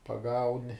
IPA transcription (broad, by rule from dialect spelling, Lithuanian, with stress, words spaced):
pɐˈɡɐʊnʲɪ